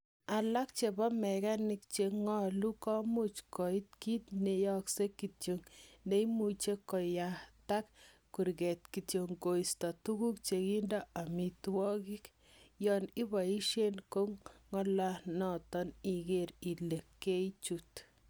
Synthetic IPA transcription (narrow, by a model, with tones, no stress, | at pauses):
a˨la˦k̚t͡ʃe˨bɔ˦mɛ˨ɣa˦ni˦k̚t͡ʃe˧ŋɔ˦lu˦kɔ˦mu˦t͡ʃkɔ˨i˦t̪̚ki˦t̪ne˨jɔ˦kse˦ki˨tjoŋne˦imu˨t͡ʃe˦kɔ˨ja˨t̪a˦kː | u˨ɾɡe˨t̪ki˨tjo˨ŋɡo˨ista˨tu˦ɣu˦k̚t͡ʃe˧ki˦ndɔ˦a˨mi˨twɔ˦ki˦k | jɔni˦ba˨i˦ʃe˦nko˦ŋŋɔ˦lanɔtɔni˨ɣe˦ɾi˨le˨kːe˦t͡ʃut